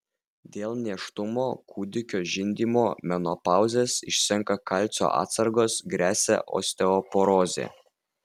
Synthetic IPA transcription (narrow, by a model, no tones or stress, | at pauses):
d̪ʲeːlˠnʲiɛʃt̪ʊmoːkʰuːd̪ʲɪkʲoːʒʲɪnʲd̪ʲiːmoːmʲɛnopɑˑʊzʲeːsɪ̰ʃsʲɛŋkɐkɐlʲt̪sʲo̰ʔɑ̰ːt̪sɐɾɡoːsɡɾʲæːsʲɛ̰ʔo̰ːsʲt̪ʲɛɔpoɾoːzʲḛ